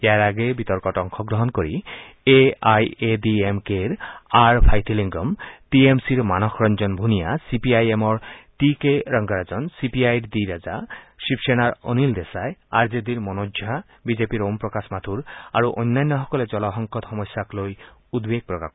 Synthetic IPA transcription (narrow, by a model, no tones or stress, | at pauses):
eaɾaɡebit̪ɔɾkɔʈɔŋkʰɔɡɾɔɦɔnkɔɾḭ | eajediemkeɾaɾpʰajt̪ʰiliŋɡɔmʈiemsiɾmanɔxʰɾɔnd͡ʒɔnbʱunijasipiajemɔɾʈikeɾɔŋɡaɾad͡ʒɔnsipiajɾd̪iɾad͡ʒaʃipseñaɾɔ̰nild̪esaeaɾd͡ʒed̪iɾmɔnod͡ʒʱa | bid͡ʒepiɾompɾɔkasmat̪ʰuɾa̰ɾuʔɔ̰jnːanːɔɦɔkɔled͡ʒɔlɔɦɔŋkɔt̪hɔmɔsjaklojud̪beɡ̚pɾɔka̰